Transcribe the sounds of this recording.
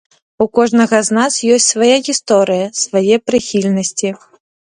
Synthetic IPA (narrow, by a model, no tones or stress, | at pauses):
ukɔʐnɐɣɐznasjɔsʲtʲsvajaɣʲist̪ɔɾɨjɐsvajɛpɾɨxʲilʲnɐsʲt͡sʲi